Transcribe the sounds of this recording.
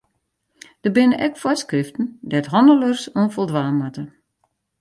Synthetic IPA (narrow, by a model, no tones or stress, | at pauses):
d̥əbɪnəʔɛkfwɔskrɪftn̩dɛtɦɔndələrsonfɔlˠdʋaːmatə